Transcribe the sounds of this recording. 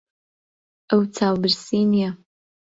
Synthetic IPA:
əwt͡sʰaːwbɨrsinja

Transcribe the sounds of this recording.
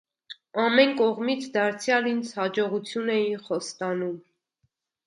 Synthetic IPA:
ɑmɛnkɔʁmit͡sʰd̪ɑɾt͡sʰjɑlind͡zʰhɑd͡ʒɔʁut͡sʰjunɛjinχɔst̪ɑnum

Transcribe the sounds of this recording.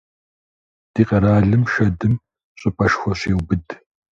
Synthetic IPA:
d̥iːqɐɾaːɮɨmʃɐdɨm | ɕʼɪpʰʼɐʃxʷɔɕeːwbɨd

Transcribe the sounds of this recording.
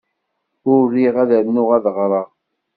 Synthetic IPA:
ʊrːiʁæðæɾnʊʁæðʁɾˤɑʁ

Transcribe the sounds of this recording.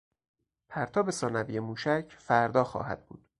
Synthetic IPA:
pʰæɾt̪ʰɒːbe̞sɒːnæviːjemuːʃæcʰfæɾd̪ɒːxɒ̰ːɦæ̰d̪̥̚bṵːd̪̥

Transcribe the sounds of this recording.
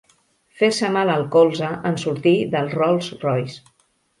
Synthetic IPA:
feɾsəmaləlˠkolˠzəʔənsuɾt̪iðəlˠzrɔlˠsrɔjs

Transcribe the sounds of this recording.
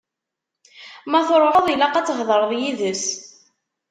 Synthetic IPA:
mæθɾˤoəðˤilɑqæt͡sːʁðˤəɾˤðˤjiðəs

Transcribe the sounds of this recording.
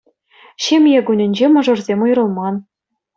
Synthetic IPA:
ɕemʲjeɡunʲɘ̆nʲd͡ʑemɤ̆ʐɤ̆rzʲemujrɤ̆lˠmɑn

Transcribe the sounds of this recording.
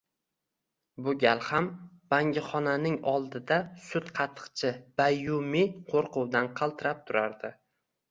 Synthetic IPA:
bʊɡʲalˠham | b̥aŋɡʲɪχɒnanɪŋɒlˠd̪ɪd̪asʊt̪qʰɑt̪ʰːɨ̥qt͡ʃʰɪb̥ajʊmiqʰoɾqʰʊwd̪anqʰɑlˠt̪ʰɪɾap̚t̪ʰʊɾaɾd̪ɪ

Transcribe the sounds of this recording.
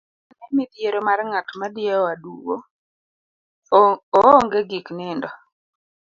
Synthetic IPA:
anɛmit̪jeɾomarŋatmadɪɛɔadṵɡo | ɔːŋɡeɡiknɪndɔ

